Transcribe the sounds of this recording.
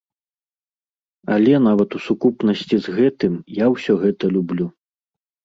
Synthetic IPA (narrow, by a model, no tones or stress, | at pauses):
ɐlʲɛnavɐt̪usukupnɐsʲt͡sʲizɣɛt̪ɨmjawsʲɔɣɛt̪ɐlʲublʲu